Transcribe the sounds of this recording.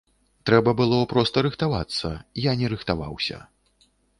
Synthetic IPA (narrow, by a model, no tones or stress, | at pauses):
t̪ɾɛbɐbɨlˠɔpɾɔst̪ɐɾɨxt̪avat̪sːɐ̰janʲɛɾɨxt̪ava̰wsʲɐ̰